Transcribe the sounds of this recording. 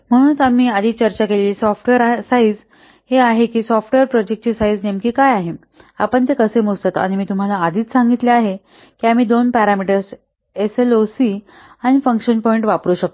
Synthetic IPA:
m̤əɽ̃ũːnat̪amiːad̪ʱiːt͡ɕəɾt͡ɕakeleisɔfʈʋeɾasaid͡z | heaɦekiːsɔfʈʋeɾpɾɔd͡ʑek̚ʈ̚t͡ɕisaid͡znemkiːkajaɦe | a̰pəɳt̪ekəsemust̪at̪a̰ɽ̃imiːt̪um̤alaːd̪ʱiːt̪saŋɡit̪leaɦe | kiam̤iːd̪onpæɾamiʈəɾs | eselosiː | aɽ̃ifəŋkʂənpɔiɳʈʋapɾuːɕək̚t̪o

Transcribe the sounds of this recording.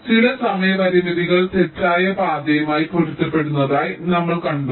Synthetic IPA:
t͡ɕilɐsɐmɐjɐʋɐɾiʋɐðiɣɐɭtetɾaːjɐbaːd̪ɐjɐmaːjiporit̪ːɐpːe̞ɽunːɐðaːjnɐmːɐɭkɐɳɖu

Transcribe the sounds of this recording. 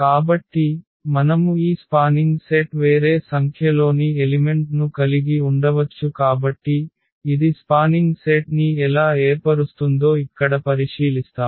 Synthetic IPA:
kaːbɐʈːi | mɐnɐmuiːspaːniŋɡseʈʋe̞ːɾe̞ːsɐŋkʰjɐlo̞ːnielime̞ɳʈnukɐliɡiuɳɖɐʋɐt͡ʃːukaːbɐʈːiː | d̪ispaːniŋɡseʈniɛlaːeːpɐɾust̪und̪o̞ːikːɐɽɐpɐɾiʂiːlist̪aːm

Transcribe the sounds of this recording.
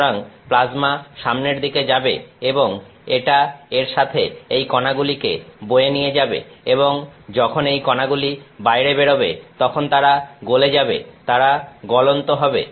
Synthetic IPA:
aŋplad͡ʑmaʃamneɾd̪iked͡ʑabḛeboŋ | eʈaeɾʃat̪ʰeejkɔnaɡulikebojenijed͡ʑabḛeboŋd͡ʑɔkʰonejkɔnaɡulibajɾebeɽobet̪ɔkʰont̪aɾaɡoled͡ʑabḛt̪aɾaɡɔlont̪oɦɔbḛ

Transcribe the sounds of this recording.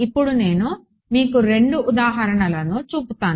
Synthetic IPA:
ipːuɽune̞ːnu | miːkuɾe̞ɳɖuʔːd̪aːɦɐɾɐɳɐlɐnut͡ʃuːput̪aːn

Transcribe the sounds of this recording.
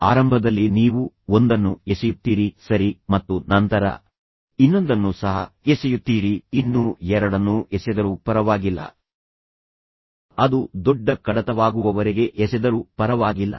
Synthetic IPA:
aːɾɐmbʱɐd̪ɐlːiniːʋu | ond̪ɐnːuesɛjut̪ːiːɾisɐɾimɐt̪ːunɐnt̪ɐɾɐ̰ | inːo̞nd̪ɐnːusɐɦɐ̰esɛjut̪ːiːɾiinːuɛɾɐɽɐnːuesɛd̪ɐɾupɐɾɐʋaːɡilːɐ̰ | ɐd̪ud̪ɔɖːɐkɐɽɐt̪ɐʋaːɡuʋɐʋɐɾiɡe̞ʔɛsɛd̪ɐɾupɐɾɐʋaːɡilːɐ̰

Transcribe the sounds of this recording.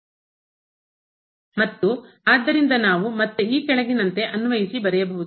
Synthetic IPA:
mɐt̪ːu | aːd̪ːɐɾind̪ɐnaːʋumɐt̪ːuiːkɛɭɐɡinɐnt̪e̞ʔɐnuʋɐjisibɐɾɛjɐbɐɦud̪u

